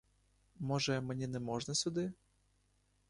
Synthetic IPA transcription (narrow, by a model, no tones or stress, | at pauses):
mɔʐɛmɛnʲinɛmɔʐnɐsʲʊd̪ɪ